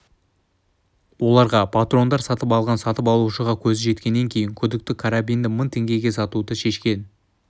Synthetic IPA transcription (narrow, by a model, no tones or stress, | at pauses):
wo̞lˠɑɾʁɑpʰat̪ro̞nd̪ɑɾsɑt̪əpɑlˠʁɑnsɑt̪əpɑlˠuʃəʁɑkʲʰɵzɪʒe̞t̪kʲe̞nːe̞ŋkʲʰe̞jɪŋkʲʰɵd̪ɪk̚t̪ɪkʰaɾabijnd̪ɪmənt̪ʰe̞ŋɡʲe̞ɡʲe̞sɑt̪ud̪əʃe̞ʃkʲe̞n